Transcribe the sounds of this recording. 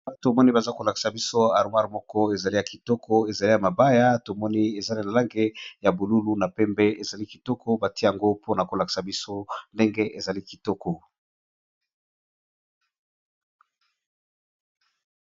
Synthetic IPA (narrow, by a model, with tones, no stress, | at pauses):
a˦to˨mɔ˦ni˦ba˨za˦ko˨la˨ki̥˨sa˨bi˦so˦a˨ʁmwa˦ʁmɔ˦kɔ˦e˨za˨li˦ja˨ki˨tɔ˦kʰɔ˦e˨za˨li˦ja˨ma˨ba˦ja˦to˨mɔ˦ni˦e˨za˦na˨na˨la˦ŋɡe˦ja˨bu˨lu˦lu˦na˨pɛ˦mbɛ˦e˨za˨li˦ki˨tɔ˦kʰɔ˦ba˨ti˦ja˨ŋɡo˦pʰo˦na˨ko˨la˨ki̥˨sa˨bi˦so˦nde˦ŋɡe˦ʔe˨za˨li˦ki˨tɔ˦kʰɔ˨